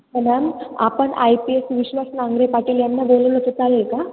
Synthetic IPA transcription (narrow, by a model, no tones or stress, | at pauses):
mənama̰pəɳʔa̰jpiesʋiɕʋasnaŋɡɾepaʈiːljanːaboləlot̪ət͡salelka